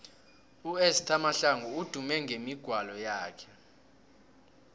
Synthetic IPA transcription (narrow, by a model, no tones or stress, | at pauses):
uɛstʰamaɬaŋuud̥ʱumɛŋemiɡ̥ʱwalɔjaːkʰɛ̥